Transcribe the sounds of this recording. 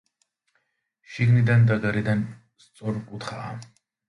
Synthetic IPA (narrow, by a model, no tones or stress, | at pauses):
ʃiɡnid̪and̪aɡaɾid̪an | st̪sʼɔɾkʼut̪ʰχaː